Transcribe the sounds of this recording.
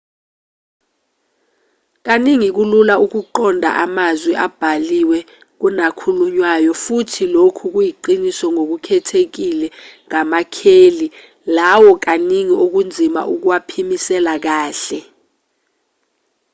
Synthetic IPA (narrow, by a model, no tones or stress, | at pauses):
k̬aniŋik̬ululauk̬uǃɔndʱa̰ʔamazwɛʔab̥ʱaliwɛ | k̬unakʰuluɲwajɔfutʰilokʰuk̬ujiǃinisɔŋok̬ukʰɛtʰek̬ilɛŋamakʰeːli | lawɔk̬aniŋiok̬und͡zʱima̰ʔuk̬uwapʰimisɛlak̬aːɬɛ